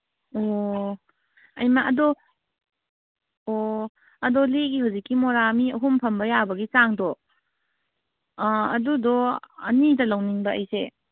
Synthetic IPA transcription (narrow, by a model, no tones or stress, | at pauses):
o | ɐjmaʔɐdɔ | o | ɐdoliɡiɦawzikːimoɾamiɐɦumpʰɐmbɐjabɐɡit͡ʃaŋdɔ | ɐ̰dudɔɐ̰nidɐlɐwniŋbɐɐjse